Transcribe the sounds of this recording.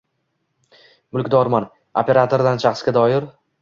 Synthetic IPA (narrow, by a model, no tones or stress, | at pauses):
mʊlˠkʲd̪ɒɾman | opʰʲe̞ɾat̪ʰoɾd̪ant͡ʃʰɑχɨsɡʲad̪ɒɪɾ